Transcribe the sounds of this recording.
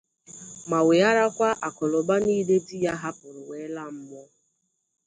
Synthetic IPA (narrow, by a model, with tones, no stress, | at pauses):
ma˨we˨a˦ɾa˦kʷa˦ʔa˨kɔ˨lɔ˨ba˦niː˦de˦di˦ja˦ɦa˦pʊ˨ɾʊ˨we˨˦la˦m̩˦mɔ˦